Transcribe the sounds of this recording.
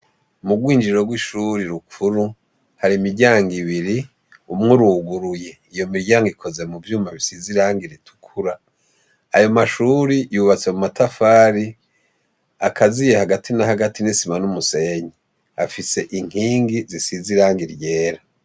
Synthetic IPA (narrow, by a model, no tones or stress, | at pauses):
muɡwiːnd͡ʒiɾo̞ɡwiʃuɾiɾukʰuɾu | haɾimiɾɟaːŋɡiβiɾi | umŋuɾuɡuɾuje̞ | ijo̞miɾɟaːŋɡikʰo̞ze̞muvjuːmaβisiziɾaːŋɡiɾitʰu̥kʰuɾa | a̰jo̞maʃuːɾijuβat͡se̞mumatʰafaːɾi | akʰazijehaɡatʰinahaɡatinisimanumuse̞ɲi | afise̞ʔiŋ̥hiːŋɡizisiziɾaːŋɡiɾje̞ːɾa